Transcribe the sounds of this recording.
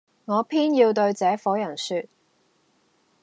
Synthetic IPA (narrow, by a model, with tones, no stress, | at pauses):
ŋɔː˨˧pʰiː˥njiː˧wt̪ɵ˧ɥt͡sɛː˨˥fɔː˨˥jɐ˨˩nsyː˧t̚